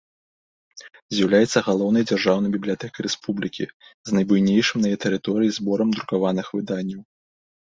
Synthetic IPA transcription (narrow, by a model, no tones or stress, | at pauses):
zʲjɐwlʲajɛt̪sːɐɣalˠɔwnɐjd͡zʲarʐawnɐjbʲiblʲijat̪ɛkɐɾɛspublʲikʲḭznɐjbujnʲejʂɨmnɐjɛt̪ɛɾɨt̪ɔɾɨjizbɔɾɐmd̪ɾukavanɨxvɨd̪anʲːɐw